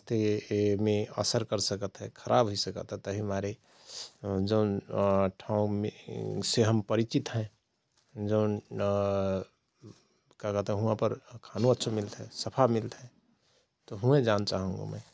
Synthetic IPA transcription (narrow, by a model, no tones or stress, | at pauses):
st̪emẽə̰səɾkəɾsəkət̪ɦɛkʰəɾʔa̰ːbɦoisəkə̰t̪ɦɛt̪əɦimaɾe | d͡ʒəʊnʈʰaũmeseɦəmpəɾit͡ʃit̪ɦɛ̃ | d͡ʒəʊn | kakət̪ɛɦɛ̃ɦũãpəɾkʰanũətːʃʰomɪlt̪ɦɛsəpʰamɪlt̪ɦɛ̃ | t̪oɦũẽd͡ʒaːnt͡ʃaːɦũŋɡo̰mɛ̰̃